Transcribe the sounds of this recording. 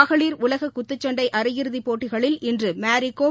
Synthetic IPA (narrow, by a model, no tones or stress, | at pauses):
ɣɐɭiːɾʊlɐɣɐkʊt̪ːɯt͡ʃːɐɳɖɐɪʔɐɾɯjɪɾɯðipːoːʈːɪɣɐɭɪlɪndrɯmaːɾɪkːoː